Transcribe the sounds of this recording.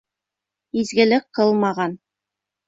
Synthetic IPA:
izɡɘ̆lɘk̚qːɤlˠmɑʁɑn

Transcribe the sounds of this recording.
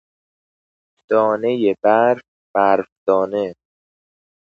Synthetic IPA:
d̪̥ɒːne̞jebæɾf | b̥æɾfd̪ɒːne̞

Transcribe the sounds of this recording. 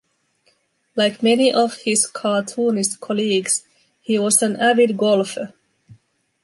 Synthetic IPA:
laɪkmɛniʔɔv̥hɪz̥kʰɑːtʰuːnɪstkʰɔliːɡs | hiːwʌzɨ̃nævɪd̚ɡɔlˠfə

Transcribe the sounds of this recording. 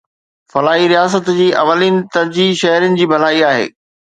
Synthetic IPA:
fɐlaːɦiɾijaːsət̪d͡ʑiːʔɐ̰ʋəliːnɪ̆t̪ɐɾd͡ʑiʃɐɦɾjənɪ̆d͡ʑiːbʱɐl̤aːiaːɦḛː

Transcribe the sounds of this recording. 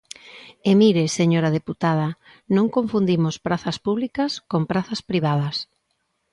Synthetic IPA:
emiɾeseɲoɾað̞eput̪að̞ɐ | nõŋkoɱfund̪imospɾaθɐspuβlikɐskompɾaθɐspɾiβ̞að̞ɐs

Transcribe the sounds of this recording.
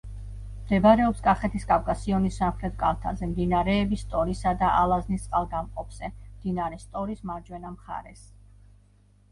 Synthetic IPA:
md̪ɛbaɾɛɔpskʼaχɛt̪ʰiskʼafkʼasiɔnisːamχɾɛt̪̚ʰʼkʼalˠt̪ʰa̰zɛmd̪inaɾɛːbist̪ʼɔɾisad̪aʔalˠaznist̪sʼqʼalˠɡamqʼɔpʰz̥ɛmd̪̥inaɾɛst̪ʼɔɾismaɾd͡ʒwɛnamχa̰ɾɛ̰s

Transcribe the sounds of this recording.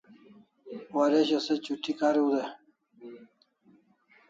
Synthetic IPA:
waɾeɕɐset͡ɕuʈːikaɾud̪e

